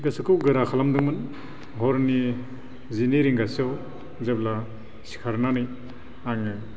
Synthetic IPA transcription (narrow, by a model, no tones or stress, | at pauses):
ɡasɯkʰɯwɡɯɾakʰalamdɯŋmɯn | ɦɔɾni | ziniɾiŋɡasiaw | zebla | si̥kʰaɾnanij | aŋɯ